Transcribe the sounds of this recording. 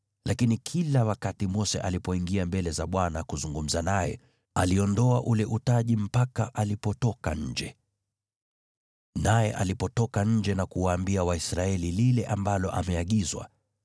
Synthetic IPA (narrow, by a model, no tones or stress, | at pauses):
lakinikʰilawakatimɔsɛʔalipɔiŋɡiambɛlɛzaɓwanakuzuŋɡum̩zanajɛ̰ | aliɔndɔaʔulɛʔutaʄim̩pakaʔalipɔtɔkaɲ̩d͡ʒɛ | najɛʔalipɔtɔkaɲ̩d͡ʒɛnakuwaːmbiawaisɾaɛlililɛʔambalɔʔamɛaɠizwa̰